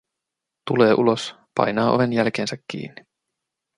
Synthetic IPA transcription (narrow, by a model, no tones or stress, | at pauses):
t̪ule̞ːʔulo̞s | pɑ̰jnɑːʔoʋe̞njælk̟eːnsækʲːḭːnːi